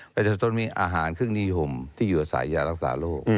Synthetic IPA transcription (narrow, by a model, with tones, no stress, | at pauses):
pa˧t̪e˧˩sa˧t̪o˧nmiː˧ʔaː˧ɦaː˩˦nkʰɯ˥˩ŋni˦˧ho˧mt̪ʰiː˥˩juː˨˩ʔa˧˩sa̰ː˩˦jːaː˧ɾa˦˥˩k̚sa̰ː˩˦loː˥˩k̚